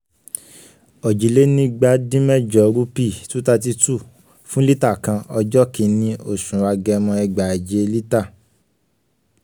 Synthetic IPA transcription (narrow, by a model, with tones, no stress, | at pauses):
ɔ˨d͡ʒi˨le˦nĩ˧˦ɡ͡ba˨˦dĩ˦mɛ˦d͡ʒɔ˨ɾu˦pi˦˨tu˨˦ta˧t̬i˧tu˦˨ | fũ˦li˦ta˦˨kã˧ɔ˧d͡ʒɔ˦kĩ˧˦nĩ˧˦o˦˨ʃũ˨wa˧ɡɛ˧mɔ̃˧ɛ˧ɡ͡ba˨d͡ʒe˨˦li˦ta˦˨